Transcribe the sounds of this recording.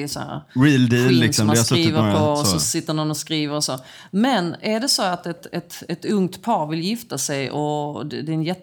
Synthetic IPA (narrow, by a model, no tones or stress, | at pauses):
shæ̰ɾ̰ɾiːld̪iːlːɪksɔmdaɛjt̪ːɾiːvəɾpʰɔɔsɔsɪt̪ːəɾɳɔnɔskɾiːvəɾɔsoː | mɛnæɖɛsɔat̪ɛt̪ɛt̪ɛt̪ɵŋt̪pʰɑːɾvɪljɪft̪asɛjɔd̪d̪ɛɛnjɛt̪ː